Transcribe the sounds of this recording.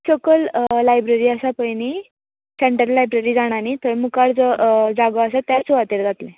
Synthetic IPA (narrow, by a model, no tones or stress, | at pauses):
səkəllajbɾeɾiːəsapəjni | seɳʈəɾlajbɾeɾiːd͡zaɽ̃anit̪əɾmukaɽd͡zəd͡zaɡəəsat̪jasuʋat̪eɾd͡zat̪lɛ̃